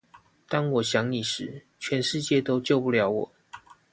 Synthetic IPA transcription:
t̪ɑ˥ŋwɔ˨˩ɕjɑ˧˦ŋni˨˩ʂɻ̩˨˦ | t͡ɕʰɥɛ˨˦nʂɻ̩˥˧t͡ɕjɛ˥˨t̪o˥ʊt͡ɕjo˥˨˧ʊpu˥˩ljɑ˧˥ʊwɔ˨˩˦

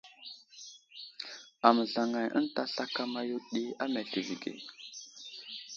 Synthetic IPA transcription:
a˨mə˨ɮa˨ŋa˨jʔə̰˦n˦ta˦ɬa˦ka˦ma˦ju˦ɗi˦a˦me˨ɬi˨vi˨ɡḛ˨

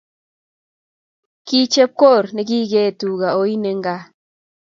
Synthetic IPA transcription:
ki˦t͡ʃe˦p̚ko˦˨ɾnɪ˦ki˦ɡe˦˨tu˨ɡa˨o˨˦i˦ne˨ŋɡa˦

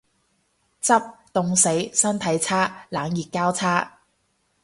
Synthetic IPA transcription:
t͡sɐ˥p̚t̪ʊ˨˧ŋse˨˥jsɐ˥nt̪ʰɐ˨˥jt͡sʰaː˥laː˨˥ŋjiː˨˩t̚kaː˥wt͡sʰaː˥

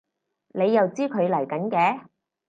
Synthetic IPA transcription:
ne˨˧jːɐ˨wt͡siː˥kʰɵ˨˧ɥlɐ˨˩jkɐ˨˥nkɛː˨˥

